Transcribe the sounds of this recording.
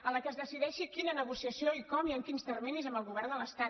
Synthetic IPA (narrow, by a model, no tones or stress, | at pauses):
ələkəzðəsiðɛʃikinənəɣusiəsioikɔmiəŋkinst̪ərminizəmbəlˠɣuβɛrnd̪ələst̪a